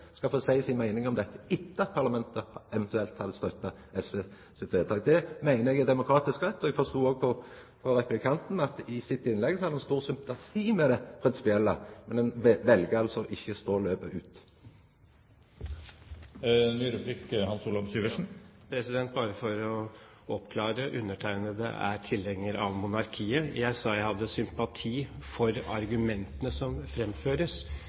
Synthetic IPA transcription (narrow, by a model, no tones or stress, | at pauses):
skɑlfoːsæɪsɪnmæɪnɪŋɔmd̪ɛt̪ːə̥ɪt̪ːəɑt̪̚pʰɑʁlɑmɛnt̪əɛʋɛnt̪ʉɛlt̪hɑd̪əst̪œt̪ːɑ | ɛsʋeː | sɪt̪ʋeːd̪t̪ɑːɡd̪ɛmæɪnəɛɡɛd̪ɛmʊkʰɾɑːt̪ɪskʁɛt̪ːɔɛɡfɔst̪uːoːɡpʰɔ | pʰɔɾɛpʉblɪkʰɑnt̪n̩ɑt̪ɪsɪt̪ːɪnlɛɡsɔhɑd̪əɛnst̪uːʁsʏmpt̪ɑsʰiːmɛd̪ɛpʰɾɪnsɪ̥pɪɛlːəmɛnd̪ɛnʋɛlɡəɑlsɔʔɪçːəst̪oːløːbəʔʉːt̪ | nyːɾʉblɪkhɑnsuːlɔʋsyːʋəʂn̩pʰɾɛsɪd̪ɛnt̪̚bɑːɾəfɔɾɔ | ɔpkʰlɑːɾəʔʉnːəʈʰæɪnəd̪ɛ̰ʔæ̰ɾt̪ʰɪlɛŋːəɾɑ̰ʋmʊnɑɾkʰiːəjæɪsɑːjæɪhɑd̪ːəsʏmpɑt̪ʰiːfɔɾɑɾɡʉmɛnt̪ənəsɔmfɾɛmføːɾəs